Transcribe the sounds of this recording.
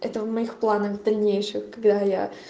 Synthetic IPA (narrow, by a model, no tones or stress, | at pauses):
ʔɛt̪əvmɐixplˠanəɣvd̪ɐlʲnʲejʂɨxkɐɡd̪aja̰